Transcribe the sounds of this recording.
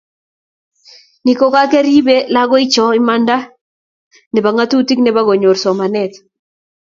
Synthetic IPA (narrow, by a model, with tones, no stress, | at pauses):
ni˨ko˨ka˦ke˦ɾi˦be˦la˦ɡɔ˦ɪ˦t͡ʃɔ˨˦ɪ˦ma˦nda˦ | nɛ˨ba˨ŋa˦tu˦ti˦knɛ˨ba˦ɡo˨ɲo˨ɾsɔ˨ma˨nɛ˨t̪